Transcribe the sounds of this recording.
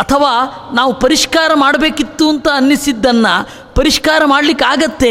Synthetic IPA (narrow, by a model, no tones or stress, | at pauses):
ɐt̪ʰɐʋaː | naːʋupɐɾiʂkaːɾɐmaːɽɐbeːkit̪ːuɐnt̪ɐːnːisid̪ːɐnːɐ | pɐɾiʂkaːɾɐmaːɽlikeaːɡɐt̪ːe̞